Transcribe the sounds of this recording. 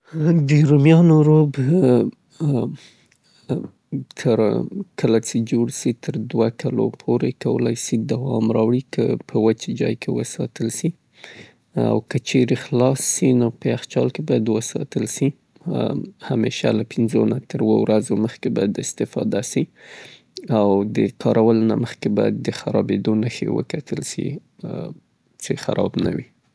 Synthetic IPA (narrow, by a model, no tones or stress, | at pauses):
d̪əɾumjɑnoɾob | t̪ʰəɾkʰəlat͡ʃed͡ʒoɽsit̪ʰəɾd̪wakʰalo̰pʰoɾekawə̰lajsid̪awɑmɾɑwɽikʰəpʰəwət͡ʃed͡ʒɑ̰jkʰewəsɑ̰t̪əlsi | a̰wkət͡ʃeɾexlɑsːinopəaxt͡ʃɑlkebɑjad̪wəsɑ̰t̪əlʃi | hameʃalapɪnzonat̪ʰəɾwowɾazoməxkebɑjad̪ɪst̪ɪfɑ̰d̪asi | awd̪əkʰɑɾʔawəlna̰məxkebɑjad̪ːəxaɾɑbed̪onəxḛwə̰kat̪ʰəlʃḭ | t͡ʃexaɾɑbna̰wi